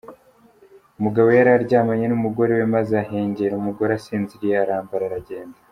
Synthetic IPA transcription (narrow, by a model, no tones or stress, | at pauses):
umuɡaβo̞jaɾaɾɟaːmaɲenumuɡo̞ɾewe̞mazeaɦe̞ːɲɟeɾumuɡo̞ɾasiːnziɾijeaɾaːmbaɾaɾaɟe̞ːnda